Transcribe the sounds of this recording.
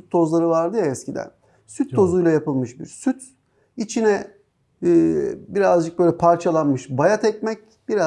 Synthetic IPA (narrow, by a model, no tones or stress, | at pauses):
syt̪ʰːo̞zlˠaɾɯvaɾd̪ɯjaɛscʰid̪æ̰n | syt̪ʰːo̞zujlˠajapɯlˠmɯʃbḭɾsyt̪ | it͡ʃʰinɛː | biɾazd͡ʒɯk̚bøjlʲɛpʰaɾt͡ʃʰalˠanmɯʃbajat̪ʰɛc̚mɛc̚ | b̥iɾa